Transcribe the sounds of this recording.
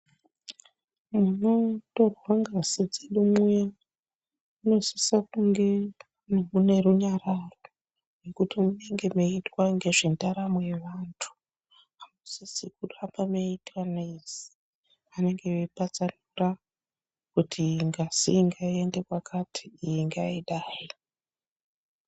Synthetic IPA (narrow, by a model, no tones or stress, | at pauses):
muno̞to̞rwaŋɡazid͡zeɗumuja | uno̞sisakuŋɡe̞ | nomune̞ruɲararo̞ | nekutimune̞ŋɡe̞meitwaŋɡe̞ʐendaɾamoje̞ʋantʰu̥ | amusisik̚utambameitwanezi̥ | ane̞ŋɡe̞epat͡sanura | kutʰiŋɡazḭŋɡaiende̞kwakʰatʰi̥ːjiŋɡaiɗaːi